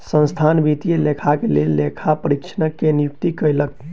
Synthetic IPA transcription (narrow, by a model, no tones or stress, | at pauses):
sə̃nst̪ʰanbit̪ijelekʰakelelːekʰapəɾikt͡ʃʰənəkːenijuk̚t̪ikəjlək̚